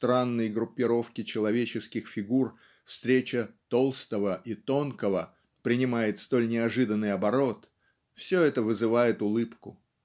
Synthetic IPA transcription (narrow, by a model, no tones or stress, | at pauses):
st̪ɾanːəjɡɾʊpʲːɪɾo̞fkʲɪt͡ɕɪlˠɐvʲet͡ɕɪskʲɪxfʲɪɡur | fst̪ɾʲet͡ɕət̪o̞lˠst̪əvəʔit̪o̞nkəvə | pɾʲɪnʲɪmajɪt̪st̪o̞lʲnʲɪɐʐɨd̪ənːɨjɐbɐɾo̞t̪ | fsʲɵɛt̪əvɨzɨvajɪt̪ʊlˠɨpkʊ